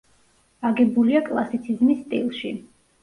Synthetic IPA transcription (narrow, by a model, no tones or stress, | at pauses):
aɡɛbuliakʼlˠasit̪sʰizmisːt̪ʼḭlˠʃḭ